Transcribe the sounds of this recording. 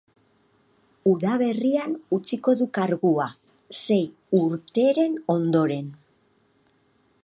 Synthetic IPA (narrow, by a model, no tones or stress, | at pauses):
uðaβe̞rianut͡siko̞ðukaɾɣua | se̞j | uɾt̪e̞ɾe̞no̞nd̪o̞ɾe̞n